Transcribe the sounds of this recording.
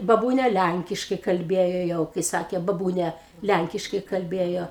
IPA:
bɐˈbuːnʲɛ ˈlʲæŋʲkʲɪʃkɐɪ kɐlʲˈbʲeːjoː ˈjɛʊ kɐɪ ˈsɑːkʲeː bɐˈbuːnʲɛ ˈlʲæŋʲkʲɪʃkɐɪ kɐlʲˈbʲeːjoː

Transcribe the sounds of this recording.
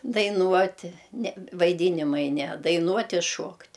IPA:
dɐɪˈnuɔtʲɪ nʲɛ ʋɐɪˈdʲiːnʲɪmɐɪ nʲɛ dɐɪˈnuɔtʲ ɪ ˈʃuɔktʲ

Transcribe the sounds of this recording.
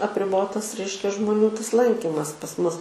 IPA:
ɐpʲrʲɪˈboːtɐs ˈrʲɛɪʃʲkʲɛ ʒmoːˈnʲuː tɐs ˈlˠɐŋʲkʲɪmɐs pɐs ˈmʊs

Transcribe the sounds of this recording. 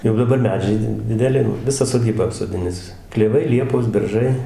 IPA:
jɛʊ dɐˈbɐr ˈmʲæːd͡ʒʲɛɪ dʲɪ dʲɪdʲɛˈlʲɪ joː ˈʋʲɪsɑː soːˈdʲiːbɑː ɐpsoːˈdʲɪnʲɪs klʲɛˈʋɐɪ ˈlʲiɛpoːs ˈbʲɛrʒɐɪ

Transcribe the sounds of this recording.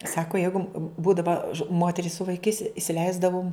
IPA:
ˈsɑːkoː ˈjɛɪɡʊ ˈbuːdɐʋɐ ˈmoːtʲɛrʲɪs sʊ ʋɐɪˈkɐɪs ɪsʲɪˈlʲɛɪzdɐʋʊm

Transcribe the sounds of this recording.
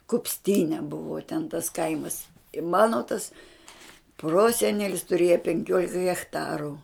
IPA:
kʊpʲsʲˈtʲiːnʲɛ ˈbʊʋoː tʲɛn tɐs ˈkɐɪmɐs ɪ ˈmɑːnoː tɐs ˈproːsʲɛnʲɛlʲɪs tʊˈrʲeːjɛ pʲɛŋʲˈkʲoːlʲɪkɐ ɣʲɛxˈtɑːrʊ

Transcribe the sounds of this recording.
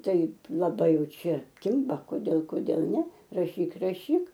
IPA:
ˈtɐɪp lˠɐˈbɐɪ ˈjɛʊ ˈt͡ʃʲɛ ˈkʲɪmbɐ koːˈdʲeːlˠ koːˈdʲeːlˠ ˈnʲɛ rɐˈʃʲiːk rɐˈʃʲiːk

